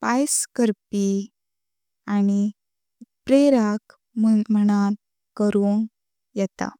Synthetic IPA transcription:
pajskəɾpi | añi | pɾeɾak | mm̤əɽ̃aɾ | kəɾoŋ | jɛt̪a̰

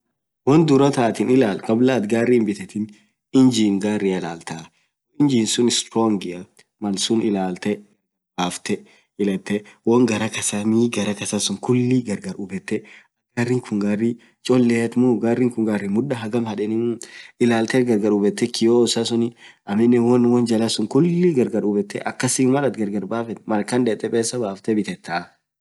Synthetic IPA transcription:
wɔnd̪ʊɾɐt̪aːt̪ɪnɪlaːlkʼɐblaːt̪ɡaːrːiːnbɪt̪ɛt̪ɪn | ɪnd͡ʒiːŋɡaːrːiɐlaːlt̪a | ɪnd͡ʒiːnsʊnɪst̪ɾoŋɡɪɐ | mɐlsʊnɪlaːlt̪ɛ | haːft̪ɛ | ɪlɛt̪ːɛwɔŋɡɐɾɐkɐsɐniɡɐɾɐkɐsɐsʊŋkʊlːiɡɐɾɡɐɾʊbɛt̪ːɛɐɡarːɪŋkʰʊŋɡarːi | t͡ʃʼɔlːɛt̪muɡarːɪŋkʊŋɡarːɪmʊᶑɐɦɐɡɐmhɐᶑɛnɪmɪlaːlt̪ɛɡɐɾɡɐɾʊbɛt̪ːɛkʰɪjoːsɐsʊnɪɐmɪnːɛwɔnwɔnd͡ʒɐlɐsʊŋkʊlːiɡɐɾɡɐɾʊbɛt̪ːɛʔɐkːɐsimɐlɐt̪ɡɐɾɡɐɾbaːfɛmɐɾkɐnd̪eːt̪ʼːɛpʼeːsːɐbaːft̪ɛbɪt̪ɛt̪ʰːɐ

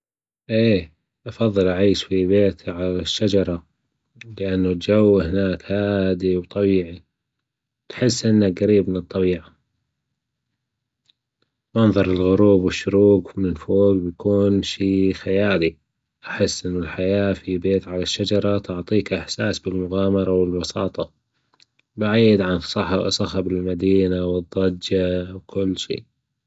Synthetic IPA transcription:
ʔeː | ʔɑfɑðˤːɨlʔaʕiːʃfibeːt̪ʕalaʃːad͡ʒɑɾˤɑ | lɪʔanːut̪d͡ʒawːhɪnaːkhaːd̪iwt̪ˤɑbiːʕi | wt̪ħɪsːʔɪnːakɣaɾiːbmɪnɨt̪ˤːɑbiːʕa | mɑnðˤɑɾˤɪlɣʊɾuːbwɪʃːʊɾuːɡmɪlfoːɡbjakuːnʃiːxajaːli | ʔaħɪsːʔɪnːalħajaːfibeːt̪ʕalaʃːad͡ʒɑɾˤɑt̪ʕt̪ˤiːkʔɪħsaːsbɪlmʊɣaːmɑɾˤɑwɪlbɑsɑːt̪ˤɑ | baʕijːɪd̪ʕanˤɑħsˤɑxabɪlmad̪iːnawɨd̪ˤːɑd͡ʒawkʊlːʃḭːʔ

